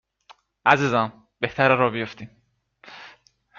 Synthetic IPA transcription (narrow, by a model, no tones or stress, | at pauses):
ʔæziːzæm | b̥eht̪ʰæɾæɾɒːbijoft̪iːm